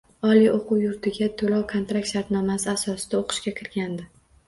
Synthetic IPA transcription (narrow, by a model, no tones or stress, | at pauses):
ɒliʔoqʰʊwjʊɾt̪ʰɪɡʲat̪ʰolɒwkʰont̪ɾak̚t̪ʃaɾt̪nɒmasɪasɒsɪ̥d̪̥aoqʰɨ̥ʃkʲakʲʰɪɾɡʲand̪ɪ